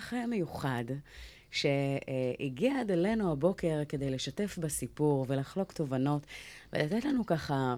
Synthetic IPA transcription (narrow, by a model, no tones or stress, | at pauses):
χeme̞juχad | ʃe̞iɡiaad̪ele̞nuabo̞ke̞ʁke̞d̪e̞jle̞ʃate̞fbasipuʁve̞laχlo̞kt̪o̞vano̞tvelat̪etlanukaχa